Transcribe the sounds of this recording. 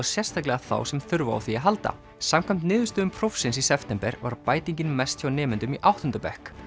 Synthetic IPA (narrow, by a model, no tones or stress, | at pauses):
aɾ̥sjɛr̥st̪ʰaklɛɣaθa̰ːwsɛmθʏɾvaa̰wθiaɦalt̪a̰ | samkʰajm̥t̪nɪːðʏst̪ʏʏmpʰɾowfsɪnsisɛft̪ɛmpɛɾva̰ɾpaːjt̪iɲcɪnmɛst̪çawnɛːmɪnt̪ʏmiʔawht̪ʏnt̪ɾʏpɛhk